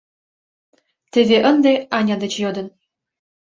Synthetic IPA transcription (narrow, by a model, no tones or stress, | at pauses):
t̪ĕβʲeʔə̆nd̪eɑnʲɑd̪ə̆t͡ɕjod̪ɤ̆n